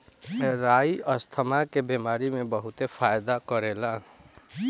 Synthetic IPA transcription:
ɾajʌst̪ʰəmakebemaɾimebʌɦut̪epʰajd̪akʌɾela

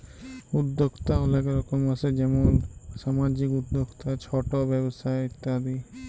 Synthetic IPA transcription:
ud̪ːokt̪aolakaɾɔkomasʰed͡ʒɛmonʃamad͡ʑikud̪ːokt̪at͡ʃʰɔʈobɛbosaeit̪ːaɦad̪i

